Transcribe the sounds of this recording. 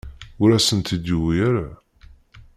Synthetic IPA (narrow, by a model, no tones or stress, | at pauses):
ʊɾæsənt̪id̪uwiɾa